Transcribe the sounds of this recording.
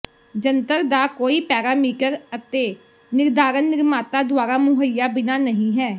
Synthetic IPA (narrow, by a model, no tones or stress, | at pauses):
d͡ʒənt̪əɾd̪aːkoːiːpɛːɾaːmiːkəɾət̪eː | nɪɾd̪aːɾənːɪɾmaːt̪aːd̪ʊaːɾaːmʊɦəjːaːbɪnaːnəɦĩːɦɛː